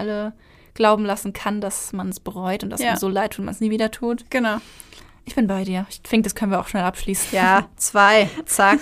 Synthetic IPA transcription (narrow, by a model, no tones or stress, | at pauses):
ʔalə | ɡ̥laʊbm̩lasn̩kʰandasmansb̥əʁɔʏtʊnt̚d̥asazoːlaɪtʰuːtma̰nsniːviːdɐtʰuːtɡ̥ənaʊ | ʔɪçb̥ɪnbaɪdiːɐɪçfɪŋk̚d̥askʰœnənviːɐaʊʃnɛlʔapʃliːsn̩jaːt͡sv̥aɪt͡sak